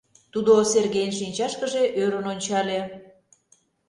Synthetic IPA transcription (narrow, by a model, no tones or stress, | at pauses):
t̪ud̪oserɣejnʃinʲt͡ɕɑʃkəʒeʔøɾənonʲt͡ɕɑlʲe